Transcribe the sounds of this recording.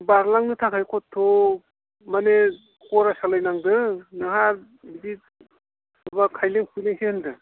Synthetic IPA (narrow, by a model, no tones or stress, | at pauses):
baɾlaŋnɯtʰakʰajkʰɔtʰːo | mane | kɔɾasalajnaŋdɯnɯɦaɾ | bidi | ɯbakʰajleŋkʰujleŋsehɯndɯ